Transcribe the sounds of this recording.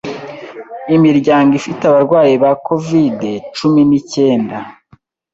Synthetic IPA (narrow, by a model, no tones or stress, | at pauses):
imiɾɟaːŋɡifiteaβaɾɡwaːjiβako̞vide̞t͡ʃuminice̞ːnda